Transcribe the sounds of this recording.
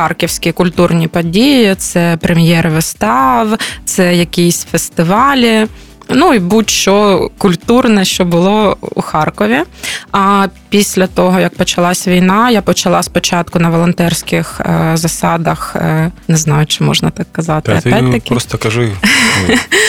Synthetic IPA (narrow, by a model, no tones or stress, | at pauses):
xɑrkʲiwsʲkʲikʊlʲt̪urnʲipɔdʲijit̪sɛpɾʔemʲjɛɾʋɪst̪ɑwt̪sɛjɐkʲisʲfest̪ɪʋɑlʲi | nuibutʲʃt͡ʃɔkʊlʲt̪urnɛʃt͡ʃɔbʊlˠɔṵxɑrkɔʋʲiɐpʲisʲlʲɐt̪ɔɦɔjɐk̚pɔt͡ʃɐlˠɑsʲʋʲijnɑjapɔt͡ʃɐlˠɑspɔt͡ʃɑt̪kʊnɐʋɔlˠɔnt̪ɛrsʲkʲɪxzɐsɑd̪ɐxnɛznɑjʊt͡ʃɪmɔ̰ʒnɐt̪ɑkːɐzɑt̪ɪɐpɛɐkʲiɔst̪ɔkɐʒu